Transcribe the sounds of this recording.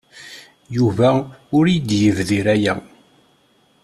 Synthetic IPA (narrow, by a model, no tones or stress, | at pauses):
juvæʊɾjəd̪jəvðiɾæjæ